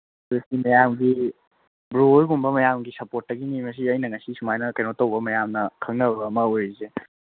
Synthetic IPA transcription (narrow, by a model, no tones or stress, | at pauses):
esimɐjamɡi | bɾuojɡumbɐmɐjamɡisɐpot̚ːɐɡinimɐs̬iɐjnɐŋɐsisumajnɐkɐjnotɐwbɐmɐjamnɐkʰɐŋnɐbbɐːmɐojze